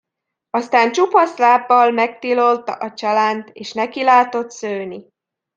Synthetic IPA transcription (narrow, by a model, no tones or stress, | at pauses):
ɒst̪aːnt͡ʃupɒslaːbːɒlmɛk̚t̪ilo̞lt̪ɒʔɒt͡ʃɒlaːnt̪eːʃnɛkilaːt̪o̞t̪søːni